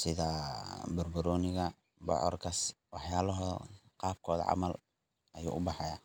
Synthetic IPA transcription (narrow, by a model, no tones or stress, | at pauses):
sɪðɐbʊrbʊɾɔːnɪɣɐ | bɔ̰ʕɔ̰rkʰɐswɑħjaːlɔɦɔqɑːb̚kʰɔːðɐ̰ʕɑ̰mɐl | ɐjṵːʔʊbɑħɑja